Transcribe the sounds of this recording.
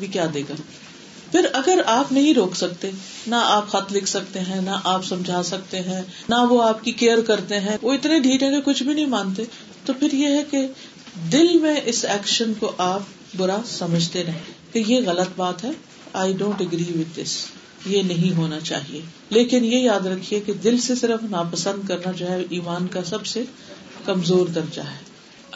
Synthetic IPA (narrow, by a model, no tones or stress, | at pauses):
bʱikjaːd̪eːɡaː | pʰɪɾɐɡəɾaːpnɐɦĩɾoːksɐkt̪enaaːpxɐt̪ʰlɪkʰsɐkt̪eɦɛ̃naʔaːpsɐ̃md͡ʒʱaːsɐk̚t̪eɦɛ̃naʋoaːp̚kikeːəɾkɐɾt̪eɦɛ̃ʋoɪt̪neɖʱiːɾɦɛ̃kekʊt͡ʃʰbʱinɐɦĩmãːnt̪̬e | t̪opʰɪɾjeɦɛke | d̪ɪlmẽʔɪsɛːkʃənkoʔaːp̚ | bʊɾasɐməd͡ʒʱt̪enɐkejeɣɐlət̪baːt̪ɦɛ | aːɪɖõːɳʈəɡɾiːʋɪt̪̚d̪ɪ̰s | jenɐɦĩɦoːnat͡ʃa̰ːɦie | leːkɪnjejaːd̪ɾɐkʰːieked̪ɪlsesɪɾəfnaːpɐsə̃nd̪kɐɾnad͡ʒoːɦɛʔiːmaːnkasɐbse | kɐmzoːɾk̪ɐɾd͡ʒa̰ɦɛː